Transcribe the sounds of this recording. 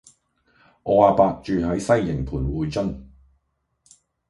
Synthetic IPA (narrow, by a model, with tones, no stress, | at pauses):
ʔɔː˧aː˨˧paː˧k̚t͡ʃyː˨˧hɐ˨˥jsɐ˥jːɪ˨˩ŋpʰuː˨˩nwuː˨˧jt͡ʃɐ˥ŋ